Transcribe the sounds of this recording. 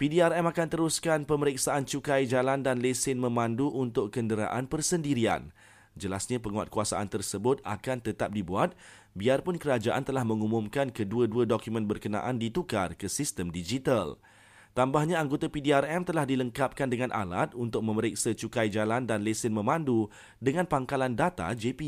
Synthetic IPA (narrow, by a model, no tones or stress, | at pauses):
pidiarɛmakant̪əɾʊskanpəməɾiksaʔant͡ʃukajd͡ʒalandanlesɪnmə̃mãnduʔunt̪ʊkːəndəɾa̰ʔanpərsəndiɾia̰n | d͡ʒəlasɲãpəŋua̰t̪̚kuasa̰ʔant̪ərsəbʊt̪̚a̰kant̪ət̪ap̚dibuat̪̚ | biarpʊnkəɾad͡ʒaʔant̪əlahmə̃ŋumʊ̃mkankəduəduədokumə̃nbərkənã̰ʔandit̪ukarkəsist̪əmdid͡ʒit̪al | t̪ambahɲãaŋɡot̪apidiarɛmt̪əlahdiləŋkap̚kandəŋãnʔa̰lat̪̚unt̪ʊk̚mə̃məɾiksət͡ʃukajd͡ʒalandanlesɪnmə̃mãndu | dəŋãnpaŋkalandat̪a̰d͡ʒepi